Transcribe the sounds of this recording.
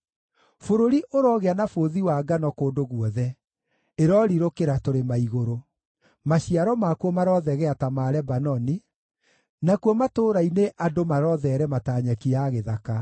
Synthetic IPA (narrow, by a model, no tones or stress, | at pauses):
foɾoɾiʔoɾɔɣeanafoðiwaɡanɔkoːdoɣwɔðɛ | eɾɔɾiɾokeɾatoɾemaiɣoɾo | maɕiaɾɔmakuɔmaɾɔðɛɣɛatamaɾɛbanɔni | nakuɔmatoːɾaineʔadomaɾɔðɛɾɛmataːɲakiaɣeðaka